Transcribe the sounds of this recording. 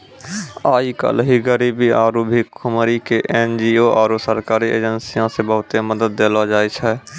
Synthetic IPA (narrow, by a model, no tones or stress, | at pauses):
aːikə̰lɦiɡəɾibiaːɾubʱikkʰʊmɾikeʔeːnd͡ʒioʔaːɾusəɾkaːɾiʔḛːd͡ʒənsijãsebəɦʊt̪eməd̪əd̪̚ːeːlad͡ʒaːet͡ʃʰɛː